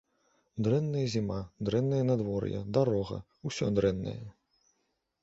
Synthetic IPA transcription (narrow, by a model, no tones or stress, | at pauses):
d̪ɾɛnːɐjɐzʲimad̪ɾɛnːɐjɐnad̪vɔrjɐ̰d̪aɾɔɣɐ̰ | usʲɔd̪ɾɛnːɐ̰jɐ